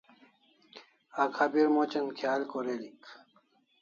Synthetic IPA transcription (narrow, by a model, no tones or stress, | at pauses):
akʰabiɾmot͡ɕɐnkʰjaːlkoɾelik